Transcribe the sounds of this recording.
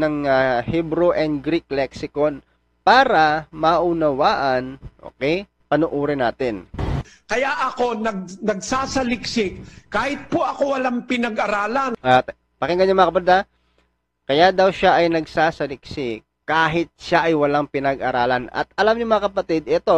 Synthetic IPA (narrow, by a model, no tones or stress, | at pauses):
nɐŋahɛbɾuʔɛnd̪̚ɡɾik̚lɛk̚sɪkon | paːɾɐmɐʔunɐwaːʔɐnʔo̰ːkɛj | pɐnʊːʔuːɾɪnaːt̪ɪn | kɐjaʔɐko̞nɐɡ̚nɐɡsaːsɐlɪksɪkkaːhɪt̪̚poʔɐkowɐlaŋpɪnɐɡʔɐɾaːlanʔt̪ | pɐkɛŋɡɐɲːaɐmɐŋɐkɐbɐd̪a | kɐjad̪ɐwʃaʔɐjnɐɡsaːsɐlɪk̚sɪkkːaːɦɪt̪̚ʃaʔɐjwɐlaŋpɪnɐɡʔɐɾaːlɐnɐ̰t̪̚ɐlamɲʊmɐŋɐkɐpɐt̪ɪd̪ʔɛt̪o̞